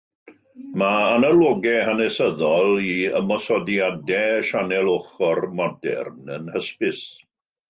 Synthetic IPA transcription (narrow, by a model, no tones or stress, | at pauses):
maːnalˠoɡɛhanɛsəðɔlˠiə̰mɔsɔdjadɛʃanɛlˠoχɔrmɔdɛ̰rnənhəspɪs